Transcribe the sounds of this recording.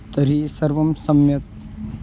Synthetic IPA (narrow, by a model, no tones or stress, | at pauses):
t̪ɐɾiːsɐɾʋɐmsɐmjɐt̪̚